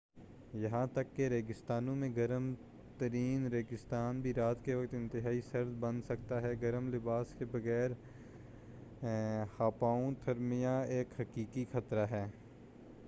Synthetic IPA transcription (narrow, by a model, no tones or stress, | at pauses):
jɐɦãt̪ɐkːeɾeːɡɪst̪aːnõmẽɡɐɾəm | t̪əɾiːnɾeːɡɪst̪aːnbʱiɾaːt̪keʋɐkt̪ɪ̃nt̪ɪɦaːisɐɾd̪bɐ̃nsɐk̚t̪aɦɛɡɐɾəmlɪbaːskebɐɣɛːɾ | haːpaːõt̪ʰɐɾmijaeːkhɐkiːkixɐt̪ɾaɦɛː